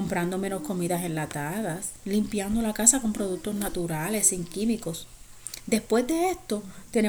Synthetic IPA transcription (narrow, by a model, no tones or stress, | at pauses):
ompɾand̪o̞me̞no̞sko̞miðase̞nlat̪aðaslimpjand̪o̞lakasako̞mpɾo̞ðuk̚t̪o̞snat̪uɾale̞siŋkimiko̞s | d̪e̞spwe̞zd̪e̞est̪o̞t̪e̞ne